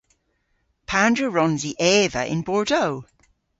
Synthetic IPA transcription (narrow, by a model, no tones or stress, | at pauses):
pʰãndɹəɹɔ̃nziʔɛːvə̰ʔɪ̰̃nbɔɹdoʊ